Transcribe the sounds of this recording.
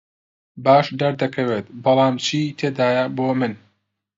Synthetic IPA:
baːʃd̪ɐɾd̪ɐkʰɐweːt̪bɑlˠɑːmt͡ʃʰiːt̪ʰeːd̪aːjɐboːmɨn

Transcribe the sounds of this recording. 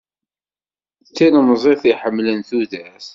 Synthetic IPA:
t͡sːinmzˤeθiħəmːlənθuðæs

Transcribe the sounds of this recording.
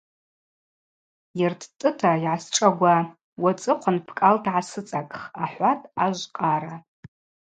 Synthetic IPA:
jɪrtʰtʼɨtʰajʕasʈ͡ʂʼaɡʷa | wat͡sʼɨqʷʰanpʰkʼaldʕasɨt͡sʼakʼχaħʷatʼaʒʷqʼaɾa

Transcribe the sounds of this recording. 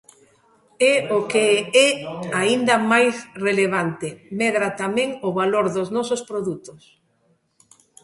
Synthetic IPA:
ɛokeɛaind̪ɐmajsreleβ̞ant̪ɪmɛðɾat̪amɛ̃ŋʊβaloɾðʊznɔsʊspɾoðut̪ʊs

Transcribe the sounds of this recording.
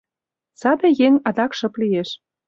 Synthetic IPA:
sɑb̪ĕjeŋɑd̪ɑkʃɤ̆plieʃ

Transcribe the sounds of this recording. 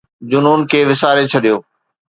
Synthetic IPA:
d͡ʑʊnuːnkʰeːʋɪsaːɾet͡ɕʰɐɗijoː

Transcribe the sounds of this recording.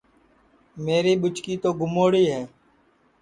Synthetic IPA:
meːɾiːɓʊt͡ʃkiːt̪oːɡʊmoːɽiːɦɛː

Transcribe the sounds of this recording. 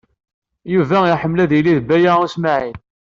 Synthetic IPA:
juvæiħəmːlæðiliðbæjæusmaʕin

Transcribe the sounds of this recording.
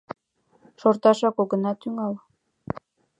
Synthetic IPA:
ʃort̪ɑʃɑkoɣənɑt̪yŋɑl

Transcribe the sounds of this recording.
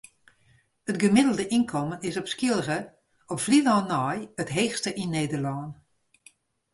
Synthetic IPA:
ətɡəmɪdəlˠdəʔinkʰomənɪsɔpskilˠɣə | ɔpflidɔːnɔjətɦeːxstəʔinːeːdəlɔːn

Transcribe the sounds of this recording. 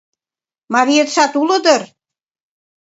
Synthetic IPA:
mɑɾijet̪ʃɑt̪ulɤ̆d̪ɤ̆r

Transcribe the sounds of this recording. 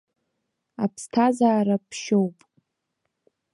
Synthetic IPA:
apʰstʰazaːɾapʰʃo̞wpʼ

